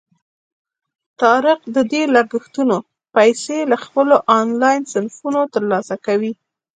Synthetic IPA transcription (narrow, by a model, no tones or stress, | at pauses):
t̪ɑɾɪqd̪əd̪elaɾɡəxt̪uno | pajselaxpəloʔɑnlɑjnsɪnfunot̪əɾlɑsakawi